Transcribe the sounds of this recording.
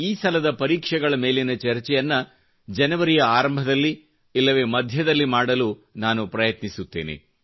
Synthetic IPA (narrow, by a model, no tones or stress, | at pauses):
iːsɐlɐd̪ɐpɐɾiːkʂɛɡɐɭɐme̞ːlinɐt͡ʃɐɾt͡ʃɛjɐnːɐ | d͡ʒɐnɐʋɐɾijɐaːɾɐmbʱɐd̪ɐlːi | ilːɐʋe̞ːmɐd̪ʱjɐd̪ɐlːimaːɽɐluːnaːnupɾɐjɐt̪nisut̪ːeːnḛ